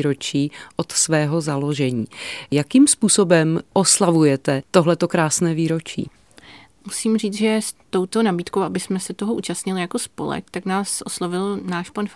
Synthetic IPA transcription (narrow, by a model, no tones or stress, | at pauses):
ɾot͡ʃiːʔot̪svɛːɦo̞zalo̞ʒɛɲiːjakimspuːsobɛmʔo̞slavujɛt̪ɛt̪o̞ɦlɛt̪o̞kɾaːsnɛːviːɾot͡ʃḭː | musiːmriːt͡sʒɛst̪o̞wt̪onabiːt̪ko̞wʔabɪsmɛsɛt̪oɦoʔuːt͡ʃast̪ɲɪlɪjakospo̰lɛ̰k̚t̪aknaːsʔoslovɪlnaːʃpan